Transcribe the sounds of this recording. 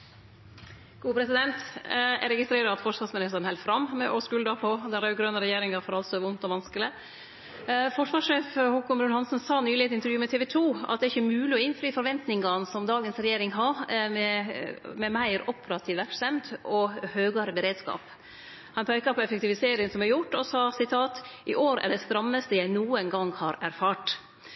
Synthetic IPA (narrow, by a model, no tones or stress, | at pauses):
ɡ̥uːpʰɾɛsɪd̪ɛnt̪ɛ̰ɾɛɡɪst̪ɾeːɾɑɑt̪fɔʂʋɑːsmɪnɪst̪əɾənhɛlfɾɑmːmɛʔɔskʉld̪ɑpʰɔd̪ɛnɾɑʉɡɾœnəɾɛjeːɾɪŋɑɾfɔɾɑlsɔʋʊnt̪ɔʋɑnskəlɪ | fɔʂʋɑːʂʂeːfhɔkʊmbɾʉnhɑnsənsɑːnyːlɪɛt̪ɪnt̪əɾjʉːmɛt̪ʰeːʋɛt̪ʰuːɑ̰t̪̚d̪ɛæɾɪçːəmʉːlɪɔɪnfɾyːfɔɾʋɛnt̪nɪŋɑnsɔmd̪ɑːɡənsɾɛjeːɾɪŋɦɑmɛmɛmæɪɾɔpʰəɾɑt̪ʰiːʋʋæɾkst̪ɛmd̪ɔhøːɡɑɾəbəɾeːd̪skɑ̰ːp | hɑnpʰæɪkɑpʰɔɛfɛkt̪ɪʋɪseːɾɪənsɔmæɾjʊʈːɔsɑːsɪt̪ʰɑːt̪ʔɪʔoːɾæ̰ɖɛst̪ɾɑmːəst̪əjæɪnuːənɡɑŋhɑːɾæɾfɑːʈ